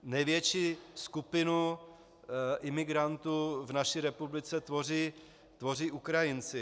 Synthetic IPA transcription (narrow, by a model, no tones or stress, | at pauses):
nɛjvjɛt͡ʃiːskupɪnu | ʔɪmɪɡɾant̪uːvnaʃiːɾɛpublɪt͡sɛt̪vo̞r̝iː | t̪vo̞riːʔukɾajɪnt͡sɪ